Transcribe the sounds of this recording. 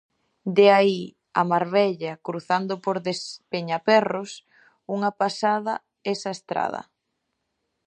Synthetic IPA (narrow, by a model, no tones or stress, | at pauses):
d̪eai | a̰maɾβɛʎakɾuθand̪opoɾðespeɲapɛros | uŋapasaðɐ | esaest̪ɾa̰ð̞ɐ̰